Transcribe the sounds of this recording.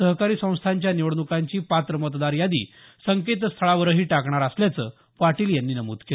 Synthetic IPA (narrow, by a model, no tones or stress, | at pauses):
səɦkaɾiːsə̃w̃st̪ʰaɲt͡ɕjaniʋəɽnukaɲt͡ɕiːpat̪ɾəmət̪d̪aɾjad̪ḭː | səŋket̪st̪ʰəɭaʋəɾəɦiːʈakɳ̃aɾəsljat͡səː | ʋaʈiːljanːiːnəmṵːd̪kel